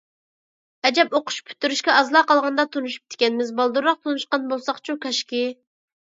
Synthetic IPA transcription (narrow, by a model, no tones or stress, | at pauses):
ɛd͡ʒɛpoqʰʊ̥ʃpʰy̥t̪ːyɾyʃkʲɛɑzlˠɑːqɑlˠʁɑnd̪ɑt̪ʰonuʃu̥p̚t̪ʰɪ̥kʲɛnɪmɪzbɑlˠd̪uɾːɑq̚t̪ʰonuʃqɑnbolˠsɑχt͡ʃʰukʰɑʃkʲi